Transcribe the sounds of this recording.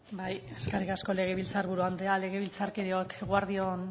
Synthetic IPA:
baje̞skarikasko̞le̞ɣ̞e̞βilt͡saɾβuɾuand̪eale̞ɣ̞e̞βilt͡saɾkeɾeoekɣwaɾðio̞n

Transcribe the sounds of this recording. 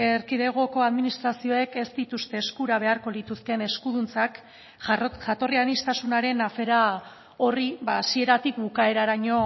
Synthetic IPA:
eɾkiðe̞ɣ̞o̞ko̞aðminist̪ɾasio̞e̞ke̞st̪it̪ust̪e̞ːskuɾaβ̞e̞aɾko̞lit̪uske̞ne̞skuð̞unt͡sak | ʝat̪o̞rianist̪asunaɾe̞nafe̞ɾa | o̞riβaːsie̞ɾat̪ikbukae̞ɾaɾaɲo̞

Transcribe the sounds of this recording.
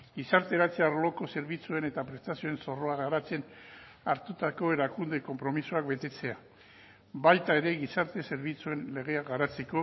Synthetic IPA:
ɡisaɾt̪e̞ɾat͡seaɾlo̞ko̞se̞ɾβit͡sue̞ne̞t̪apɾe̞st̪asio̞e̞nso̞ro̞aɣaɾat͡se̞n | aɾt̪ut̪ako̞e̞ɾakund̪e̞ko̞mpɾo̞misuakbe̞t̪e̞t͡se̞a | βajt̪ae̞ɾe̞ɣisaɾt̪e̞se̞ɾβit͡sue̞nle̞ɣ̞e̞aɡaɾat͡se̞ko̞

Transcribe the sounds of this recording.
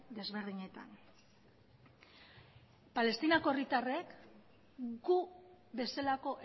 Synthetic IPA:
d̪e̞zβe̞ɾðiɲe̞t̪a̰n | pale̞st̪inako̞erit̪are̞k | ɡuβe̞salako̞ʔ

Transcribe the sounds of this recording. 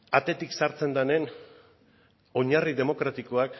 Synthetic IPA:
at̪e̞t̪iksaɾt͡se̞nd̪ane̞n | o̞ɲariðe̞mo̞kɾat̪iko̞ak

